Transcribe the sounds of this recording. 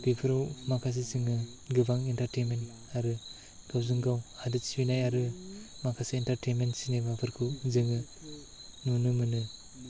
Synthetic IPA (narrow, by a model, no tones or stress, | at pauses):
b̥ipʰɯɾawmakʰas̬iziŋɯ | ɡɯbaŋintaɾtenment | aɾɯ | ɡ̥awzɯŋɡawhadɯtsibinajaɾɯ | makʰasiintaɾtejnmentsinebapʰɯɾkʰɯwzɯŋɯ | nunɯmɯnɯ